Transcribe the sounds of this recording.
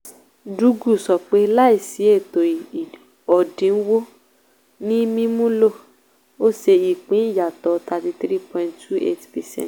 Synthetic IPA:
du˨˦ɡu˦˨sɔ˨k͡pe˨˦la˦i˦˨si˨˦e˦˨to˨ | ɔ˨dĩ˨˦n̩˦wo˦ | nĩ˦mĩ˦mũ˦lo˦˨ | o˦ʃe˧i˨k͡pĩ˨˦i˦˨ja˨tɔ˨˦ta˧ti˧θɾi˦pɔ̃˧ĩ˧nʰu˦ʔḛ˦tpɛ˨sɛ̰̃˦˨t

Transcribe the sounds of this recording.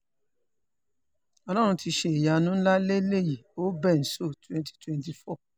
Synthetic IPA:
ɔ˧lɔ˦ɾ̃ũ˧ti˧ʃe˧i˨ja˨˧nũ˨˦la˦le˦le˦˨ji˨o˨˦bɛ˦˨n̩˨so˦˨twɛ̃˦nti̥˦twɛ̃˨nti˧fɔ˦˨

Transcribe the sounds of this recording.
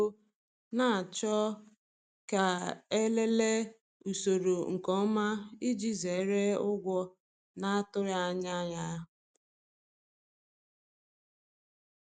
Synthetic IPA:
o˦ | na˦˨a˨t͡ʃɔ˦ | ka˨e˦le˦le˦ | u˨so˨ɾo˨ŋ̩˨kɔ˦ma˦i˦d͡ʒi˦ze˨˦ɾe˦ʊ˦ɡʷɔ˦ | na˦a˦tʊ˦ɾja˦ɲa˦ja˦

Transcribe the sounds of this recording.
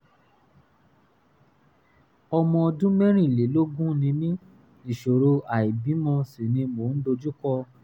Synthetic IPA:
ɔ˧mɔ̃˧ɔ˧dũ˦mɛ̃˦ɾ̃ĩ˦˨le˨˦lo˦ɡũ˦nĩ˧mĩ˦ | nĩ˨ʃo˨ɾo˧a˨i˨bĩ˨˦mɔ̃˧si˨nĩ˧mo˨˦n̩˦do˧d͡ʒu˦kɔ˦

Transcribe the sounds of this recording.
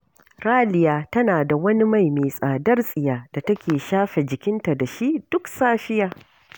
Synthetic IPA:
ɾaː˦lɪ˨jaː˨tɐ˦naː˨da˨wɐ˦ni˦ma˦˨jmeː˨sʼaː˨dɐ˦rsʼɪ˨jaː˨d̥a˨tɐ˦kʲeː˨ʃaː˦ɸe˨d͡ʒɪ˨kʲɪ˦nta˨da˨ʃi˦ʔd̥ʊ˦ksaː˦ɸɪ˦jaː˨

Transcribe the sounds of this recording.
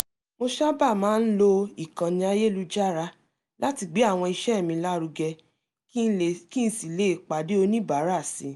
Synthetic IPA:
mo˧ʃa˦ba˦˨mãː˨˦n̩˦lo˧i˦˨kã˨nĩ˧a˧je˦lu˧d͡ʒa˦˨ɾa˦ | la˦ti˧ɡ͡be˨˦a˦˨w̃ɔ̃˧i˧ʃɛ˦˨mĩ˧la˦ɾu˧ɡɛ˧˦˨ | ki˦n̩˦si˨le˦˨k͡pa˨de˨˦o˧nĩ˦ba˨˦ɾa˦˨sḭ˨˦

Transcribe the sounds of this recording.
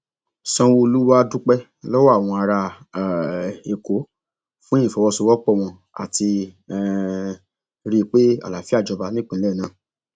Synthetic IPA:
sɔ̃˧wo˧lu˦wa˦du˦k͡pɛ˦ | lɔ˦wɔ˦˨w̃ɔ̃˧a˧ɾa˧˨ | e˨ko˨˦ | fũ˦ĩ˦˨fɔ˨˧wɔ˧so˧wɔ˦k͡pɔ˦˨w̃ɔ̃˧ | a̰˨ti˧˨ | ɾi˧k͡pe˦a̰˦˨la˨fi˦a˦˨d͡ʒɔ˧ba˧nĩ˦k͡pũ˨˦ɛ˦˨nãː˨˦˨

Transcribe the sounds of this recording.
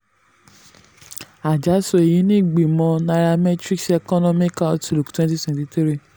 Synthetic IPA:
a˨d͡ʒa˨˦so˧e˨ji˨˦nĩ˦i˦˨ɡ͡bi˨mɔ̃˧na˧ɾa˧mɛ˦tɾi˦ksɛ˧kɔ˦nɔ̃˦mĩ˦ka˦ɔ˦tu˦˨lu˨ktwɛ̃˦nti˦twɛ̃˨tĩ˧tɾi˦

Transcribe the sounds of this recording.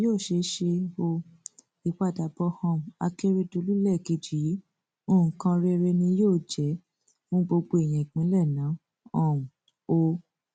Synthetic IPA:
joː˦˨ʃe˧˦ʃe˧o˧ | i˨k͡pa˨da˨bɔ˧˦hã˧˨a̰˧ke˦ɾe˦do˧lu˦lɛ˦˨ki˧˨d͡ʒi˨˦ | o˦˨ũ˨kã˧ɾe˧ɾe˧nĩ˧joː˦˨d͡ʒɛ˨˦ | fũ˦ɡ͡bo˧ɡ͡bo˧e˨j̃ĩ˨i˨k͡pĩ˨˦lɛ˦˨nã˨˦ | ɔ̃˦˨ũ˨ | o˧

